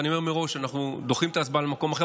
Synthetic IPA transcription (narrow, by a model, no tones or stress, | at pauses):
nio̞me̞ʁmeʁo̞ʃanaχnud̪oχimet̪aːsbalemako̞maχe